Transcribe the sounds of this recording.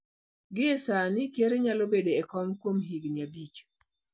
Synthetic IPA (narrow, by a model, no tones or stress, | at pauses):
ɡɪɛsanɪkjeɾeɲalobedeɛkɔmkwomɦiɡnabit͡ʃ